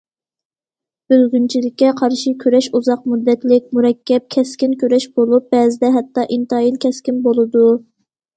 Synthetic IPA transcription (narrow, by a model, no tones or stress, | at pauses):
b̥ølɡʲynt͡ʃʰilɪkʲːɛqʰɑɾʃikʲʰøɾɛʃuzɑq̚mud̪ːɛt̪lɪkʲmuɾɛkʲʰːɛp̚kʲʰɛskʲinkʲʰøɾɛʃb̥olˠup̚bɛːzɪd̪ɛɦɛt̪ːɑʔint̪ɑjilkʲʰɛskʲinbolˠɨd̪u